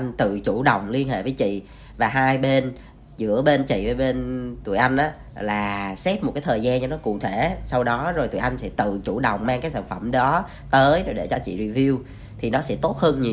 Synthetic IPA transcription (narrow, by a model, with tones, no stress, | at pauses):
ŋ̟t̪ɨ̰˧˨t͡ɕu˧˩ɗə˨˩wŋ͡mli˧ənɦḛ˧˨vəː˨˦jt͡ɕḭ˧˨ | vaː˨˩ɦaː˧jɓe˧n | zɨ̰˧˥əɓe˧nt͡ɕḭ˧˨vəː˨˩ɓe˧nt̪u˧˨əʔa˧jŋ̟ʔaː˨˦˥ | laː˨˩sɛ˦˥p̚mo˨˩t̚kaː˨˦jt̪ʰəː˨˩jzaː˧nt͡ɕɔ˧nɔ˨˦kṵ˧˨t̪ʰe˧˩˨sa˧wɗɔ˨˦zo˨˩jt̪ṵ˧˨ʔa˧jŋ̟sɛ̰˧˥t̪ɨ̰˧˨t͡ɕu˧˩ɗə˨˩wŋ͡mmaː˧ŋkaː˨˦jsaː˧˩nfə˧˩mɗɔ˨˦ | t̪əː˨˦jzo˨˩jɗe˧˩t͡ɕɔ˧t͡ɕḭ˧˨zi˧vi˧w | t̪ʰi˨˩nɔ˨˦sɛ̰˧˥t̪o˦˥t̚həː˧nɲi˨˩